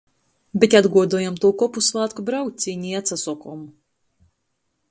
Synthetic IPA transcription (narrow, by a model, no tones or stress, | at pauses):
bʲet̪ʲad̪ɡuɔd̪uɔjamt̪uɔkɔpusvˠaːt̪kubɾawk̚ʲsʲiːnʲiat̪sasɔkɔm